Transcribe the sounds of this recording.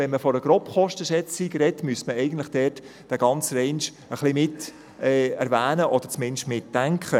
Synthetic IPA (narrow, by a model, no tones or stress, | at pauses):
vɛnməfɔɾəɡ̥ɾɔpχɔʃtəʃɛt͡siɡɾɛtmyəsməɛɪɡən̩t̪lɪχd̥ɛːrt | d̥æɡɑnt͡srɛɪnʃ | əχlimɪt | ɛːæɾvæːnəʔɔd̥əɾt͡smɪnʃtmɪtːæŋkχə